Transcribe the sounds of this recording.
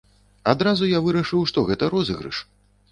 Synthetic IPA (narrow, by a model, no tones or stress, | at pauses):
ad̪ɾazujavɨɾɐʂɨwʂt̪ɔɣɛt̪ɐɾɔzɨɣɾɨ̰ʂ